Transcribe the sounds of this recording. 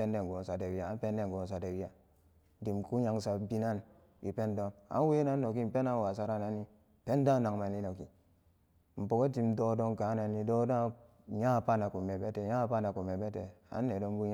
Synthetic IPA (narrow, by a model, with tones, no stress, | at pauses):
e˦nde˦˨ɡo˨n˨sa˨de˨wi˦ja˨a˦m˦pe˦nde˦ŋ˨ɡo˨ns̬a˨de˨wi˦ja˨ | di˨mku˦ɲa˨ŋsa˨bi˦na˦˨n | i˨pe˦ndo˦na̰˨˦n˦we˦na˦n˦no˨ki˦m̩˨pe˦na˦wa˨sa˦ɾa˦na˨ni˦˨ | pe˦n˦da˦na˨ŋma˨ni˦no˨ki˨ | m̩˨po˨ɡo˦ti˦mdo˦do˦ŋka˨˦na˨ni˦do˦da˦ | ja˦˨pa˦na˨ku˨me˨be˦te˨ja˦pa˦na˨ku˨me˨be˦te˨a̰˨˦nː˦e˨do˦m˦bu˦